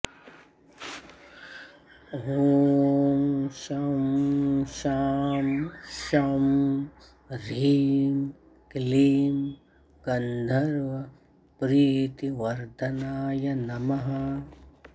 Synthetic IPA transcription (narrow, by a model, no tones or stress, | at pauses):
ɦuːmʃɐmʃaːmʃɐm | ɾiːm | kliːm | kɐnd̪ʱɐɾʋɐ | pɾiːt̪iʋɐɾd̪ɐnaːjɐnɐmɐɦɐ